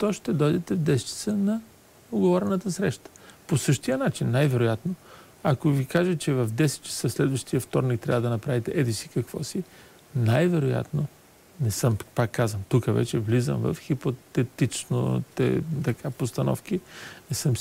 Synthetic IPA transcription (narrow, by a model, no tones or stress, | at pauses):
t̪ɔʃt̪ɛd̪ɔjd̪ɛt̪ɛvd̪ɛst͡ʃi̥t̪sənɐ | oɡovɔɾɛnət̪əsɾɛʃt̪ə̥posɤʃt̪ijənat͡ʃinːajvɛɾojat̪no | ɐkovikaʒət͡ʃɛvɐvd̪ɛsɛ̥t͡ʃi̥t̪səslɛd̪vɐʃt̪ijəft̪ɔɾnik̚t̪ɾʲavəd̪ɐnɐpɾavit̪ɛʔɛd̪isi̥kɐkv̥ɔ̰si | najvɛɾoja̰t̪no | nɛsɤmpakːazvəmt̪ukəvɛ̰t͡ʃɛvlizə̰mvɐ̰fxipot̪ɛt̪it͡ʃno̰t̪ɛ̰t̪ɐkʰapost̪ɐnɔ̰fkinɛsɤm